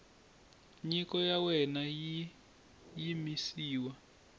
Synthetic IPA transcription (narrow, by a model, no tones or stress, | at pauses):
ɲikɔjawɛnaji | jimisiːwa